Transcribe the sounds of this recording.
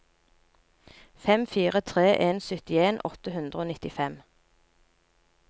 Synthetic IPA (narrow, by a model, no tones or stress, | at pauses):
fɛmfiːʁət̪ʰʁeːʔeːnsœt̪ɪeːnʔɔt̪əhʉnd̪ʁəoːnɪt̪ɪfɛm